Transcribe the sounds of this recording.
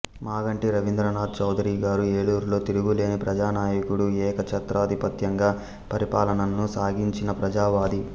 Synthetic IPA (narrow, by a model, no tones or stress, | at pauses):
maːɡɐɳʈiɾɐʋind̪ɾɐnaːd̪̚t͡ʃɐwd̪ʱɐɾiːɡaːɾue̞ːɭuːɾlo̞ːt̪iɾuɡule̞ːnipɾɐd͡ʒaːnaːjɐkuɽuɛːkɐt͡ʃʰɐt̪ɾaːd̪ʱipɐt̪jɐŋɡaː | pɐɾipaːlɐnɐnnusaːɡiɲt͡ʃinɐpɾɐd͡ʒaːʋaːd̪i